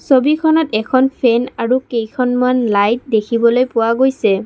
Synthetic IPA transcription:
sobikʰɔnɔtɛkʰɔnpʰɛnaɹukejkʰɔnmanlajt̚dekʰibɔlojpʊwaɡojsɛ

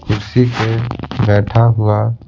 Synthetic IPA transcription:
kʊɾsisebɛːʈʰaɦʊa

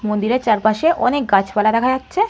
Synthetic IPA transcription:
mond̪iɾeɾt͡ɕaɾpaʃeʔɔnek̚ɡat͡ɕʰbalad̪ɛkʰad͡ʑatːɕʰe

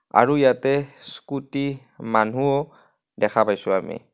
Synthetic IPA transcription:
a̰ɹuijatɛskuti | man̤uɔ | dɛkʰapajsʊamḭ

